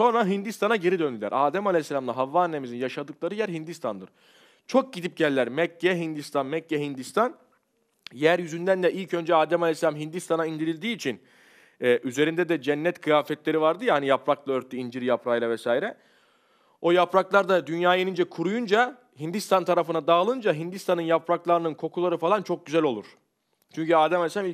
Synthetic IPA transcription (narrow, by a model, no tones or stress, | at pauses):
so̞nɾaɦind̪ist̪ʰanaɟe̞ɾid̪ønd̪ʲylʲæ̰ɾaːd̪æmalʲesːelʲamlˠaɦavːaːnːemizinjaʃad̪ɯklˠaɾɯjæɾɦind̪ist̪ʰand̪ɯɾ̥ | t͡ʃʰo̞k̚ɟid̪ip̚ɟɛlʲːæɾmɛcːɛɦind̪ist̪ʰanmɛcːɛɦind̪ist̪ʰan | jæɾjyzynd̪ænd̪ɛʔilʲcʰø̞nd͡ʒɛaːd̪ɛmalʲesːelʲamɦind̪ist̪ʰanaind̪iɾilʲd̪iːt͡ʃʰin | ɛːʔyze̞ɾind̪ɛd̪ɛd͡ʒɛnːɛt̪kʰɯjaːfɛt̪lʲe̞ɾivaɾd̪ɯjaanijapɾaklˠaøɾt̪ʰːyind͡ʒiɾjapɾajlʲˠavɛsaːiɾɛ | o̞japɾaklˠaɾd̪ad̪ynjaːjenind͡ʒɛkʰuɾujund͡ʒa | ɦind̪ist̪ʰant̪ʰaɾafɯnad̪aːlˠɯnd͡ʒaɦind̪ist̪ʰanɯnjapɾaklˠaɾɯnɯnkʰo̞kʰulˠaɾɯfalˠant͡ʃʰo̞k̚ɟyzælʲo̞lˠuɾ̥ | t͡ʃʰyɲcyaːd̪ɛmasʲami